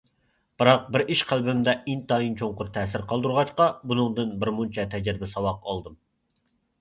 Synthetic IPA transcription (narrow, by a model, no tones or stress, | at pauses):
b̥ɨɾɑq̚bɪɾʔiʃqʰælbɪmd̪ɛʔint̪ʰɑint͡ʃʰoŋqʊɾt̪ʰɛːsɪɾqʰɑlˠd̪uɾʁɑt͡ʃqɑbunɨŋd̪ɨnbɪɾmunt͡ʃʰɛt̪ʰɛd͡ʒɾɪbɪsɑwɑqɑlˠd̪ɨm